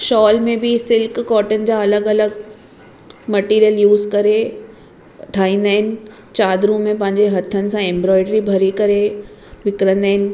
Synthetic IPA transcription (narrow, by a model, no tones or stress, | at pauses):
ʃɔːlmẽbɪsɪlkːɔːʈənɪ̆d͡ʑaːɐləɡɐləɡ | mɐʈiːɾijəljuːzkɐɾe | ʈʰaːĩːn̆d̪aːɦɪnɪ̆ | t͡ɕaːd̪ɾũmẽpɐ̃ɦɪ̃ɲd͡ʑeɦɐt̪ʰːənɪ̆sãẽːmbɾɔːɪɖɾibʱɐɾikɐɾe | ʋɪkɾə̃nd̪aːɦɪnɪ̆